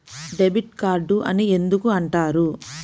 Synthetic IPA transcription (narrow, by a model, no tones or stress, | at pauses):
ɖebiʈkaːɾɖuʔɐ̰nie̞nd̪ukuɐɳʈaːɾu